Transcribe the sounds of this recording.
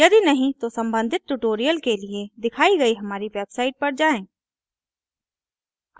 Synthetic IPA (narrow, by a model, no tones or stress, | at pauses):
jɐd̪inɐɦĩt̪osɐ̃mbə̃nd̪ʱɪt̪̚ʈuʈoːɾijəlkelied̪ɪkʰaːiɡɐiɦɐmaːɾiʋeːbsaːɪʈ̚pɐɾd͡ʒaːẽː